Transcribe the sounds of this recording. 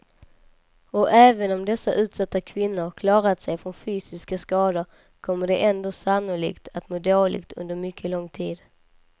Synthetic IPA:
ɔʔɛːvənɔmd̪ɛsːaʔʉ̟ːt̪sat̪ːakʰvɪnːʊɾkʰlɑːɾat̪sɛjfɾɔnfyːsɪskaskɑːd̪əɾ | kʰɔmːəɖɛʔɛnd̪oːsanːʊlḭːkt̪ʰat̪moːd̪oːlɪ̰ɡt̪ʰɵ̰nd̪əɾmʏkʰːəlɔŋːt̪ʰiːd̪

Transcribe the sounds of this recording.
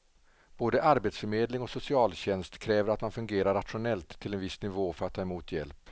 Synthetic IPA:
b̥oːd̪əʔaɾbeːt̪sfœɾmeːd̪lɪŋɔsʊsɪɑːlɕɛnst̪kʰɾɛːvəɾat̪manfɵŋɡeːɾaɾat̪ɧʊnɛlt̪ʰːɪlɛnvɪsnɪvoːfœɾat̪ʰːɑːɛmuːt̪ʰjɛ̰lp

